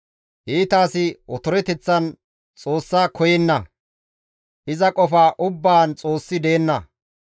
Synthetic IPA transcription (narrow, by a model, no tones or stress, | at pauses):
ʔiːt̪aːsɪɔt̪ʊɾɛt̪ɛt͡sːɐn | t͡sʼo̞ːsːaːkʰɔjɛnːɐ | ʔɪzɐkʼɔfaːʔʊbːaːnt͡sʼo̞ːsːɪd̪eːnːɐ